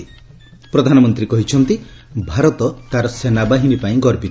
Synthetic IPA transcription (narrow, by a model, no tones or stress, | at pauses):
i | pɾɔd̪ʱanɔmɔnt̪ɾikɔɦit͡ʃʰɔnt̪i | bʱaɾɔt̪ɔt̪aɾɔsenabaɦinipaĩɡɔɾpit̪